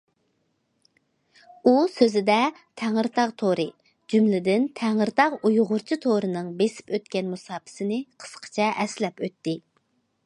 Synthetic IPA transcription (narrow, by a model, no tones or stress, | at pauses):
usøzɪd̪ɛ | t̪ʰæŋəɾt̪ʰɑʁt̪ʰoɾɨ | d͡ʒymlɪd̪ɪnt̪ʰɛŋəɾt̪ʰɑʁujʁʊɾt͡ʃʰit̪ʰoɾɨnɨŋbesɪ̥pøt̪kʲɛnmusɑːpʰɪ̥sɪnɪqʰə̥sqʰə̥t͡ʃʰɛʔɛslɛpøt̪ːɪ